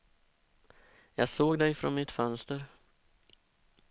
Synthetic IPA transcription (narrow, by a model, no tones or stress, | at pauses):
jɑːɡsoːɡd̪ɛjfɾɔ̰nmɪt̪fœnst̪əɾ